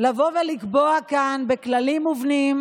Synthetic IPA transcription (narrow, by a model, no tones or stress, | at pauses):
lavo̞velikboakanbe̞klalimuvnim